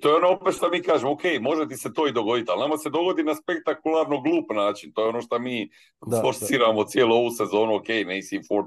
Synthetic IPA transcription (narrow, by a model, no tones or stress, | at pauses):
t̪o̞ːjeonoopet̪ʃt̪amiːkaːʒemoke̞jmo̞ʒet̪iset̪o̞ːid̪o̞ɡo̞d̪it̪alˠnamase̞d̪o̞ɡo̞d̪inaspe̞k̚t̪akulˠaɾnoɡluːpnaːt͡ʃint̪ojo̞noʃt̪amiː | foɾsiːɾamot̪sje̞ːluo̞ʋuse̞zo̞ːnuokejneisifoɾ